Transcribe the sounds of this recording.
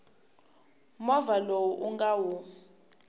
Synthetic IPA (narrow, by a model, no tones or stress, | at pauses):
mɔvalowuʔuŋɡawu